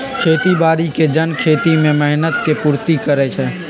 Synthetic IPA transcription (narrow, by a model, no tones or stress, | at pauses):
kʰeːt̪ibaːɾiked͡ʒənkʰeːt̪imẽmeɦnət̪kepuːɾt̪ikəɾet͡ʃʰɛ